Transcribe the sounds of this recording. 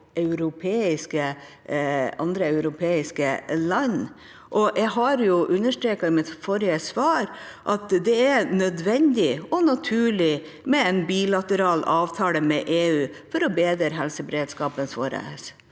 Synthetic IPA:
ʔɑʉɾʊpʰeːɪskə | ɑ̰nd̪ɾəɑʉɾʊpʰeːɪskəlɑɲ | ʔɔjʔɛɡɦɑɾjʊʔʉnːəʂʈɾeːkɑɪmɪt̪fɔɾɪəsʋɑːɾʔɑt̪d̪ɛɛɾnœd̪ʋɛnd̪ɪɔnɑt̪ʰʉːɭɪ | mɛɛnbilɑt̪əɾɑːlɑːʋt̪ʰɑːləmɛʔeːʉː | fɔɾɔbeːd̪əɾɦɛlsəbɛɾeːd̪skɑːpənso̰ɾə̰s

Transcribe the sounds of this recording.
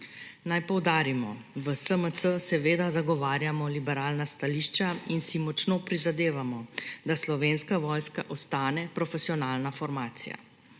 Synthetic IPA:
najpɔwd̪aːɾimɔʋəsəmət̪səsɛʋeːd̪azaɡɔʋaːɾjamɔlibɛɾaːlnast̪aliːʃt͡ʃainsimɔt͡ʃnoːpɾizad̪eːʋamɔd̪aslɔʋeːnskaʋɔjska̰ʔɔst̪aːnɛpɾɔfɛsijɔnaːlnafɔɾmaːt̪sḭja̰

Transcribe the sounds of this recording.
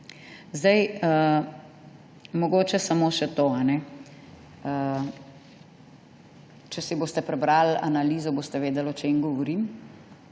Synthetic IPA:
zd̪ɐjə | mɔɡoːt͡ʃɛsamoːʃɛt̪oːanɛ | ə | t͡ʃɛsiboːst̪ɛpɾɛbɾala̰naliːzɔboːst̪ɛʋeːd̪ɛlɔt͡ʃemɡɔʋɔɾim

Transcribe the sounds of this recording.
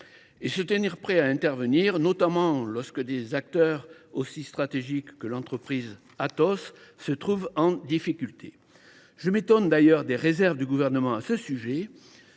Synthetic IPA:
esət̪əniʁpχɛaɛ̃t̪ɛʁvəniʁnɔt̪amɑ̃lɔʁskəd̪ezak̚t̪œʁosist̪χat̪eʒikːəlɑ̃t̪χəpχiz | at̪ɔsːət̪χuvɑ̃d̪ifikʲylt̪ʰe | ʒ̥əmet̪ɔnd̪ajœʁd̪eʁezɛʁvd̪yɡuvɛʁnəmɑ̃asəsyʒe

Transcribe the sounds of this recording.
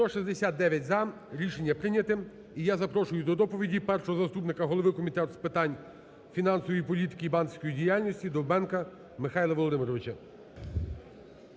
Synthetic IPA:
st̪ɔʃizʲd̪esʲat̪̚d̪ɛʋʲjɐtʲzɐ | ɾʲiʃenʲːɐpɾɪnʲɐt̪ɪm | ijazɐpɾɔʃʊjʊd̪ɔd̪ɔpɔʋʲidʲipɛrʃɔɦɔzɐst̪upnɪkɐɦɔlˠɔʋɪkɔmʲit̪ɛt̪spɪt̪ɑnʲ | fʲinɑnsɔʋɔjipɔlʲit̪ɪ̥kʲiibɑnsʲkɔjidʲijalʲnʲɔsʲtʲid̪ɔwbɛnkɐ | mɪxɑjlˠɐʋɔlˠɔd̪ɪmɪɾɔʋɪt͡ʃɐ

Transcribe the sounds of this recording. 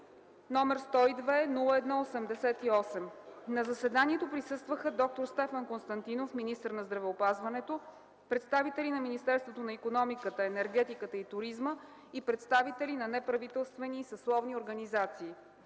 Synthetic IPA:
nɔmɛɾst̪ɔid̪vɛnulˠəɛd̪nɔosɛmd̪ɛsɛt̪iɔsɛmnɐzəsɛd̪aniɛt̪opɾisɤst̪vəxəd̪ɔk̚t̪oɾst̪ɛfənkonst̪ɐnt̪inofminist̪əɾnɐzd̪ɾɐvɛopazvɐnɛt̪o | pɾɛt̪st̪avit̪ɛlinɐminist̪ɛɾst̪vot̪onɐikonɔmikət̪əɛnɛɾɡɛt̪ikət̪əit̪ʊɾizmə | ipɾɛt̪st̪avit̪ɛlinɐnɛpɾɐvit̪ɛlˠst̪vɛniːsɐslˠɔvnioɾɡənizat̪siː

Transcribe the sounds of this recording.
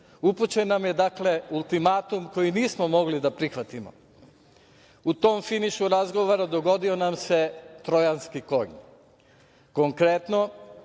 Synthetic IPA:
uput͡ɕe̞nːamje̞d̪akle̞ulˠt̪imaːt̪umko̞jiniːsmo̞mo̞ɡlid̪apɾixʋat̪imo̞̰ | ut̪o̞ːmfiniʃuɾazɡo̞ʋoɾad̪o̞ɡo̞d̪ionamse̞t̪ɾo̞janskiko̞̰ɡɲ | ko̞ŋkɾet̪no̞

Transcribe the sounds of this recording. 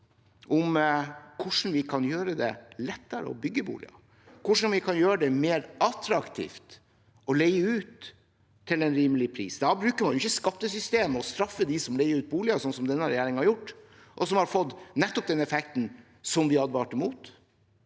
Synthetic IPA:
ʔɔmkʰʊʂn̩ʋɪkʰɑnjøːɾəd̪ɛ̰lɛt̪ːəɾə̰ɔ̰bʏɡːəbṵːlɪ̰ɑ̰ | kʰʊʂn̩ʋɪkʰɑnjøːɾəd̪ɛmeːɾɑt̪ɾɑkt̪ʰḭːft̪ | ɔleɪəʉːt̪ʰː | ɪlɛnɾiːməlɪpʰɾḭːsd̪ɑbɾʉːkəɾmɑnjʊɪçːəskɑpt̪ːəsʏst̪eːmɔst̪ɾɑfːəd̪ɪsɔmlɛɪəɾʉːt̪̚buːlɪɑsɔnsɔmd̪ɛnːəɾɛjæːɾɪŋhɑɾjʊʈː | ʔɔsɔmhɑɾfɔt̪ːnɛt̪ːɔp̚d̪ɛnɛfɛkt̪n̩ | sɔmd̪ɪɑd̪ʋɑːʈɛmuːt̪

